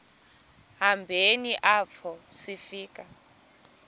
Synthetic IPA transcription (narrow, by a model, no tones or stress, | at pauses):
ɦambʱeniʔapʰɔsifiːka